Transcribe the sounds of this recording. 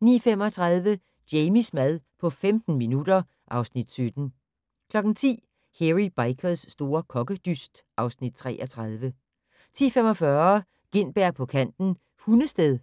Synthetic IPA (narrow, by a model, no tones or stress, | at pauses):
nḭːfem̰ɒ̽t͡sʰʁɑð̞ˠʋə | d̥jeɪmismæð̞ˠpʰɒ̽femd̥n̩minud̥ɐ | ʔɑ̈ʊsnid̥sød̥n̩ | kʰlɒ̽ɡ̥n̩t͡sʰḭː | heʁib̥ɑ̈ɪkʰəsːd̥o̝ːɐkʰɒ̽ɡ̥əd̥ysd̥ʔɑ̈ʊsnid̥̚t͡sʰʁɛ̰ːʔɐt͡sʰʁɑðˠʋə | t͡sʰḭːfem̰ɒ̽fɶɐ | ɡ̥e̝nb̥æɐ̰pʰɒ̽kʰæn̰d̥n̩ | hunəsd̥eðˠ